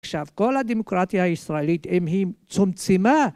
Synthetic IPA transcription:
ʃafkolad̪imukɾat̪ijaisɾailit̪emɦimt͡sumt͡sima

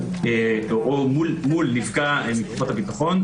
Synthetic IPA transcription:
eoʔomulmulːifɡaemikuχot̪apit̪aχo̞n

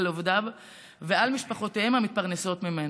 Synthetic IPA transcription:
lovd̪ab | vealmiʃpaχo̞teemhamit̪̚paʁneso̞t̪mimen

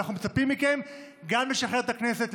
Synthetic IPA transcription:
aχnumet͡sapimːike̞m | ɡamle̞ʃaχe̞ʁet̪akne̞se̞t

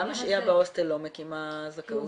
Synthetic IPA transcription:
amnaʃiabeost̪elomekimazakau

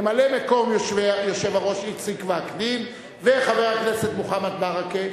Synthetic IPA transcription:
malemeko̞mjoʃvejoʃevaʁo̞ʃit͡sikveakdim | veχaveʁaknese̞t̪muχamat̪̚baʁake

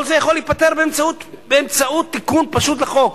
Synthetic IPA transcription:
olzejaχoliːt̪̚pat̪eʁbeemt͡saut̪ | beemt͡saut̪ːikunpaʃut̪leχo̞k

